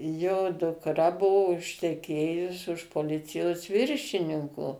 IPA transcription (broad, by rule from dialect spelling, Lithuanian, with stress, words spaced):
joː dʊkˈrɐ ˈbuɔ ʊʃʲtʲɛˈkʲeːjʊs ʊʃ poːˈlʲɪt͡sʲɪjoːs ˈʋʲɪrʲʃʲɪnʲɪŋkoː